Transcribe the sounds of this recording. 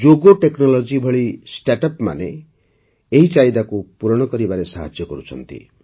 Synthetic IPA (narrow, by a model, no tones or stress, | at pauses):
d͡ʒoɡoʈeknɔlɔd͡ʒibʱɔɭisʈaʈɔpma̰ne | eɦit͡ʃajd̪akupuɾɔɽ̃ɔkɔɾibaɾesaɦad͡ʒjɔkɔɾut͡ʃʰɔ̰nt̪ḭ